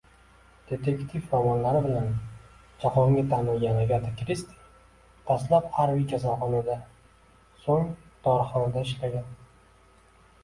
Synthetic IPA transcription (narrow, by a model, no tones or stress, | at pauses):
d̪̥e̞t̪ʰekt̪ʰifːavɒnlaɾɪbɪlan | d͡ʒaqɒŋɡʲɪt̪ʰanɪljʲanaɡʲat̪ʰakʲɾist̪ʰi̥ | t̪ʰaslaphaɾbid͡ʒazɒχɒnad̪a | soŋd̪̥ɒɾχɒnad̪aɪʃlaɡʲan